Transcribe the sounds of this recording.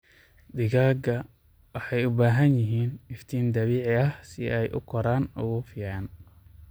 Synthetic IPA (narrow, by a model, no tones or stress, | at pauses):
d̪ɪɣaːɡɐ | wɑħɑjʊbaːɦɐnjɪɦiːnɪft̪ʰiːnd̪ɐβiːʕɪɐhsɪʔɛjʔʊ̰kʰɔɾaːnʊɣʊfɪjaːn